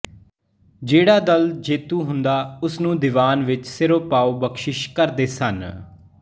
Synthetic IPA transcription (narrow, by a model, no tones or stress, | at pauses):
d͡ʒeːɽaːd̪əld͡ʒeːt̪uːɦʊnd̪aːʊsnũːd̪ɪʋaːnʋɪt͡ʃsɪɾoːpaːoːbəkʃɪʃkəɾd̪eːsən